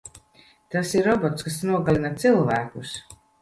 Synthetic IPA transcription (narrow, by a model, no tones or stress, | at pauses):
t̪asiɾɔbɔt̪skasnuɔɡalʲinat̪silˠvæːkus